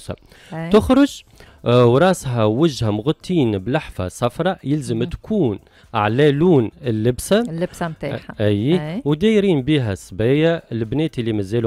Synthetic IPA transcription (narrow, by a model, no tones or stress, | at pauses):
sæ̰ | t̪ʊxɾˤʊʒ | wɾˤɑːsɦæwɪʒhæmʊɣʊt̪ˤːiːnblaħfa̰sˤɑfɾˤɑjɪlzəmt̪kʰuːn | ʔʕlæːluːnɪlːɪbsæɪbsmt̪aħaæjːwd̪æːjɾiːnbiːɦæsbæːjælbnɛːt̪lːimæzæːlu